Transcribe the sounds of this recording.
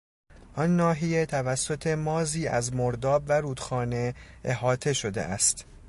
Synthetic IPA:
ʔɒnːɒːɦije̞t̪ʰævæsːo̞t̪ʰe̞mɒːziːʔæ̰zmoɾd̪ɒːbvæɾuːd̪̥xɒːne̞eɦɒːt̪ʰe̞ʃo̞d̪e̞̰ʔæst̪

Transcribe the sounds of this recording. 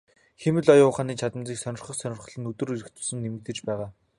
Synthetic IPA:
xemɘ̆ɮɔjʊːχaːniːt͡ɕʰat̪ə̆mt͡siːksœnʲɪ̆rχə̆χsœnʲɪ̆rχə̆ɮɘ̆nɵt̪ɵ̆ruɾɘ̆kt̪ɵ̥̆sɘ̆nːemɘ̆k̚t̪ɘ̆t͡ɕpæːʁaː

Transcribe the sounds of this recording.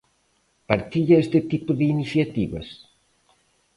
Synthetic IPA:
pɐɾt̪iʎɐest̪ɪt̪ipʊðɪiniθjat̪iβɐ̰s

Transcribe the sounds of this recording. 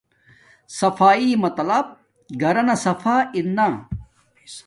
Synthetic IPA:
sɐfaːiːmɐt̪ɐlɐb̚ | ɡʱɐɾɐnɐsɐfaːinːa

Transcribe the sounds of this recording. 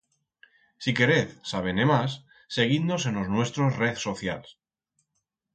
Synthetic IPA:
sike̞ɾeθsaβ̞enemasː | e̞ɣ̞ind̪osenoznwe̞st̪ɾozreðso̞θja̰ls

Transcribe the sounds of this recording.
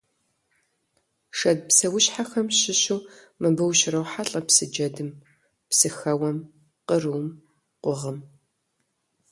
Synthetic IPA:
ʂɐd̚psɐwʊɕħaxɐmɕɪɕuː | mɨbɨwɕɪrɐwħaɬʼɐpsɨd͡ʒɐdɨm | psɨxɐwɐm | qəruːm | qʷʊʁəm

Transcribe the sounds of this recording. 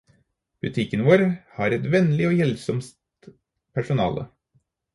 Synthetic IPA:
b̥ʉt̪ʰɪkːənʋoːɾhɑːɾɛt̪ʋɛnlɪoːjɛlsɔmst̪ | pʰæʂʊnɑ̰ːlə̰

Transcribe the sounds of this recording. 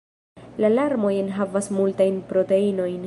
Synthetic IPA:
lalaɾmo̞jenɦavasmultajnpɾo̞te̞ino̞jn

